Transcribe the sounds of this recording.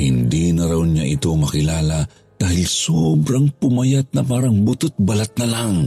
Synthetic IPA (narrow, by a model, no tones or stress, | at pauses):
hɪnd̪inɐɾawɲa̰ʔɪt̪omɐkɪlaːlɐ | d̪̥aːhɪlsobɾaŋpʊmɐjat̪̚nɐpaːɾɐŋbʊt̪ʊt̪̚bɐlat̪̚nɐlaŋ